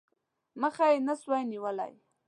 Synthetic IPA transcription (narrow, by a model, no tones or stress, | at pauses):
məχajenəswajniwəla̰j